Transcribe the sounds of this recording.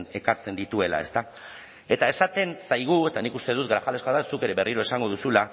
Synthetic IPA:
ne̞kaɾt͡se̞nd̪it̪ue̞la̰e̞̰st̪a | e̞t̪ae̞sat̪e̞nsajɣ̞ue̞t̪anikust̪e̞ðut̪ɡɾaxalekoaðasuke̞ɾe̞βe̞riɾo̞e̞saŋɡo̞ð̞usula

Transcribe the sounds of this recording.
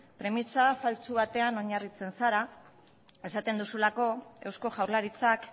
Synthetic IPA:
pɾe̞misasalt͡suβat̪e̞ano̞ɲarit͡se̞nsaɾa | e̞sat̪e̞nd̪usulako̞e̞wsko̞ʝawɾlaɾit͡sak

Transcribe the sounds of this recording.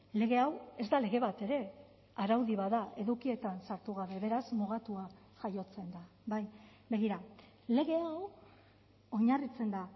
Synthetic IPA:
le̞ɣe̞awe̞zd̪ale̞ɣe̞βat̪e̞ɾe̞ | aɾawðiβaðaʔe̞ðukie̞t̪ansaɾt̪uɣ̞aβe̞βe̞ɾasmuɣat̪ua | ʝajo̞t͡se̞nd̪a | baj | be̞ɣ̞iɾa | le̞ɣe̞aw | o̞ɲarit͡se̞nd̪a

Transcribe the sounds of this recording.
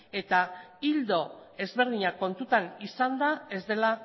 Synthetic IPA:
e̞t̪aild̪o̞e̞zβe̞ɾðiɲako̞nt̪ut̪anisand̪ae̞zd̪e̞la

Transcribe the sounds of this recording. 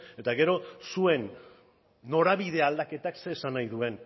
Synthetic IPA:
e̞t̪aɣe̞ɾo̞sue̞nː | o̞ɾaβið̞eald̪ake̞t̪akse̞ːsanajðue̞n

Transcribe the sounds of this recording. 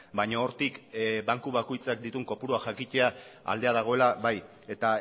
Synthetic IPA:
bajɲooɾt̪ikbaŋkuβako̞jt͡sak̚d̪it̪uŋko̞puɾuaʝakit͡ʃe̞aa̰ld̪e̞aðaɣ̞o̞e̞laβaj | e̞t̪a

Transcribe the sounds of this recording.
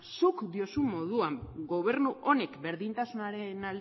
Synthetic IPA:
sukd̪io̞summo̞ð̞uamɡo̞β̞e̞ɾnuʔo̞ne̞kbe̞ɾðint̪asunaɾe̞nald̪

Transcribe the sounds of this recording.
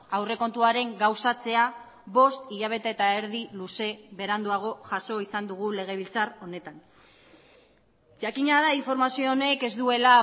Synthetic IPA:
awre̞ko̞nt̪uaɾe̞ŋɡawsat͡se̞a | βo̞st̪iʎaβ̞e̞t̪aet̪ae̞ɾð̞iluse̞βe̞ɾand̪uaɣ̞o̞ʝaso̞isand̪uɣ̞ule̞ɣ̞e̞β̞ilt͡saro̞ne̞t̪an | ʝakiɲað̞aiɱfo̞ɾmasio̞ːne̞ke̞zd̪ue̞la

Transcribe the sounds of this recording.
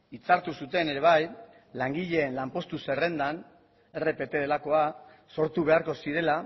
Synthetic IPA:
it͡saɾt̪usut̪e̞ne̞ɾe̞β̞aj | laŋɡiʎe̞ːnlampo̞st̪use̞re̞nd̪an | e̞re̞pe̞t̪e̞ðe̞lako̞a | so̞ɾt̪uβe̞aɾko̞siɾe̞la

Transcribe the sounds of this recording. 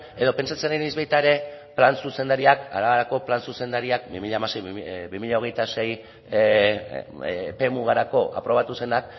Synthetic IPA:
e̞ðo̞pe̞nt͡sat͡sennizβejt̪aeɾe̞plansuse̞nd̪aɾiaka̰ɾaβaɾako̞plansuse̞nd̪aɾiak̚bimiʎamasejbimiʎao̞ɣ̞e̞jt̪ase̞j | pe̞muɣaɾako̞ʔa̰pɾo̞β̞at̪use̞nak

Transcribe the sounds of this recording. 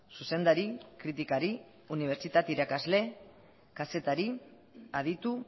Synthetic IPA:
suse̞nd̪aɾikɾit̪ikaɾi | uniβ̞e̞ɾt͡ʃit̪at̪iɾakazle̞ | kase̞t̪aɾi | aðit̪u

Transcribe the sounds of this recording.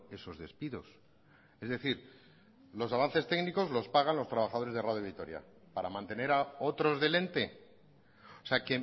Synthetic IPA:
e̞so̞zðe̞spiðos | e̞zðe̞θiɾ | lo̞saβanθe̞st̪e̞ɣniko̞zlo̞spaɣanlo̞st̪ɾaβaxað̞oɾe̞zðe̞raðjoβit̪o̞ɾja̰ | paɾamãnt̪e̞ne̞ɾao̞t̪ɾo̞zðe̞le̞nt̪e̞ | oseake

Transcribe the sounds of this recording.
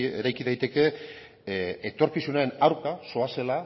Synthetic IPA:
ḛɾajkiðajt̪e̞ke̞ | et̪o̞ɾkisunae̞naɾkaso̞ase̞la

